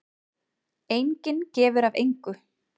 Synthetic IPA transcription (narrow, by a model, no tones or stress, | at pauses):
ejɲcɪncɛːvʏɾavḛjŋkʏ